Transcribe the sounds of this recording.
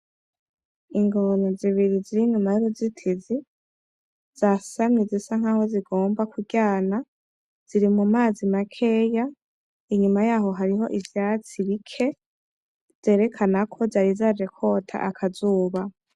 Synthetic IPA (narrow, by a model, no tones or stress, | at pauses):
iŋɡonoziβiɾiziɾiɲumajuɾozitʰizi | z̥asamɲizisaŋ̥haːho̞ziɡo̞ːmbakuɟaːna | z̥iɾimumaːzimakʰe̞ːja | iɲumajaːɦo̞ɦaɾiɦo̞ʔivjaːt͡siβikʰe̞ | z̥e̞ːɾe̞kʰanakʰo̞zaɾizad͡ʒe̞kʰo̞ːtʰa̰ʔakʰazuːβa